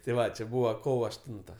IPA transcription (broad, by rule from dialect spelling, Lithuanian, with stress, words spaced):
tʲeː ˈʋɐ t͡ʃʲɪ ˈbuːʋɐ ˈkoːʋoː ɐʃˈtʊntɐ